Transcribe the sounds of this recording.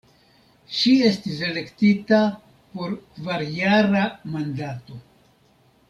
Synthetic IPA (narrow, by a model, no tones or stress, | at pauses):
ʃie̞stise̞le̞ktita | po̞ɾkvaɾjaɾamandato̞